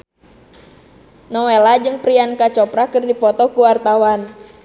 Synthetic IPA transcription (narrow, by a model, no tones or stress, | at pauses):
nɔwelad͡ʒɨŋpɾiankat͡ʃɔpɾakɨrdipɔt̪ɔkuwart̪awan